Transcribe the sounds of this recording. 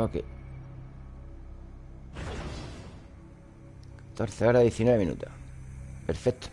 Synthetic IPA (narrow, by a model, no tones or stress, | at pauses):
okḛ | t̪oɾθeaɾaðjeθinweeminṵt̪a | peɾfek̚t̪